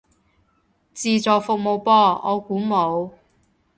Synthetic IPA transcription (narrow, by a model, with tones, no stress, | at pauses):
t͡siː˧t͡sɔː˨kfʊ˨k̚mo˨˧wpɔː˥˩ɔː˨˧kuː˨˥mo˨˧w